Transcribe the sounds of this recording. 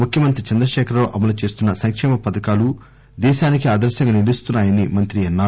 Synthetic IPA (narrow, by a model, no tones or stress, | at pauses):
mukʰjɐmɐnt̪ɾit͡ʃɐnd̪ɾɐʃɛːkʰɐɾlo̞ːʔɐmɐlut͡ʃe̞ːst̪unːɐsɐŋkʂɛːmɐpɐd̪ɐkaːlu | d̪ɛːʃaːnikiaːd̪ɐɾʃɐŋɡɐnilist̪unːaːjɐnimɐnt̪ɾiɐnːaːu